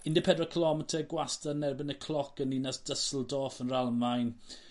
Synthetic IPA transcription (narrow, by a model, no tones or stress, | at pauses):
ɪndɪpʰɛdrɔkʰəlˠɔmɛtʰəɡwastanɛrbɪnəkʰlˠɔkəninasd̥əsl̩ˠdɔːfənralˠmajn